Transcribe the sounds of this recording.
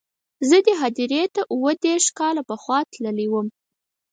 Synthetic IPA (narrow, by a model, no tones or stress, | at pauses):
zəd̪əɦɑd̪iɾet̪aʔuwəd̪eɾʃkɑlapəxwɑt̪ləliwəm